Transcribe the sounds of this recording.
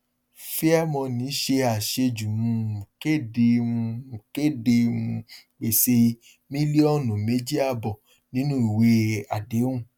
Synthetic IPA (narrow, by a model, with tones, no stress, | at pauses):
fi˦a˦mɔ̃˧nĩ˨˦ʃe˧a˨ʃe˧d͡ʒu˨mũ˧˦˨ke˦˨de˧ũ˧˨ke˦˨de˧ũ˧k͡pe˨se˧ | mĩ˦li˦ɔ˦˨nũ˨me˦d͡ʒi˦a˦˨bɔ˨ | nĩ˨˦nũ˦i˨we˨˦a˨de˨˦ũ˦˨